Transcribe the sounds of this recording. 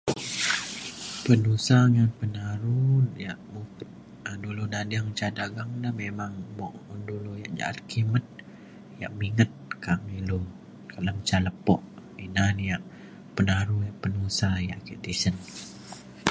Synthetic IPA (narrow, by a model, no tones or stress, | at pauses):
pənusaŋanpənaɾujaʔmu | dulunadiaŋt͡ʃadaɡaŋlahmemaŋbɔʔunduluja̰ʔd͡ʒa̰ʔa̰lkimət̪̚ | ja̰ʔmiŋət̪̚kamilu | kələmt͡ʃaləpɔ̰ʔ | inanjaʔ | pənaɾujaʔpənusaja̰ʔkiʔt̪isən